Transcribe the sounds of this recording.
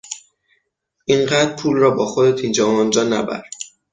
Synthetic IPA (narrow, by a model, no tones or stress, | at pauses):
ʔiɴɢæːd̪ɾpʰuːlrɒːbɒːxod̪et̪ʰind͡ʒɒːmɒnd͡ʒɒːnæ̰bæ̰ɾd̪̥